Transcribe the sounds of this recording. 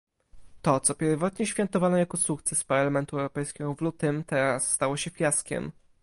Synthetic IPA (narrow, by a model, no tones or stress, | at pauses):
t̪ɔt̪sɔpʲjɛɾvɔt̪ɲɛɕfʲjɛnt̪ɔvanɔjakɔsukt̪sɛspaɾlamɛnt̪uɛwɾɔpɛjskʲɛɡɔvlut̪ɘmt̪ɛɾasːt̪awɔɕɛfʲjaskʲɛ̰m